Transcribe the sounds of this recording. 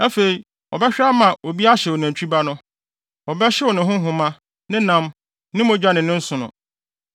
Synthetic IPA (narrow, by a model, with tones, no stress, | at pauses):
æ˦fe˨ɾi˨ | ɔ̰˨bɛ˦ɕᶣɪ˦a˦mã˨o˨bi˦a˦ɕɛ˨wo˨næ̃˨ɲ˨t͡ɕʰᶣi˦ba˦nʊ̃˦ | ɔ˨bɛ˦ɕɛ˦wɔ˨nɪ̃˨ɦʊ̃˦ɦʊ̃˦mã˦ | nɪ̃˦nã˦m | nɪ̃˦mʊ̃˦d͡ʑᶣa˦nɪ̃˨nɪ̃˦n̩˦sʊ̃˨nʊ̰̃˨